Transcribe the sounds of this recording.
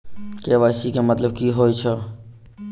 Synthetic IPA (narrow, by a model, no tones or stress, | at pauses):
keːʋaːsiːkemət̪ləb̚kiːɦoːit͡ʃʰə